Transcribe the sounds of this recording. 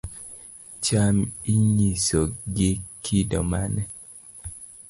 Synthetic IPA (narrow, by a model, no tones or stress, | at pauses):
t͡ʃamiɲisɔɡɪkʰidɔ̰manɛ